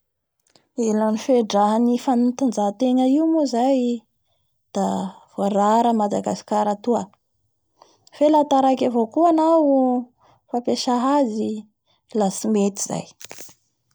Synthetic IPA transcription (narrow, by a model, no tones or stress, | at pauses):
elanifeɖ͡ʐaɦanifanut̪and͡zat̪eŋəiumuzaj | d̪̥av̥aɾaɾəmad̪aɡasi̥kaɾat̪uə | felat̪aɾakʲavokuanawu | fapeʃaɦazi | lasimet̪iza̰j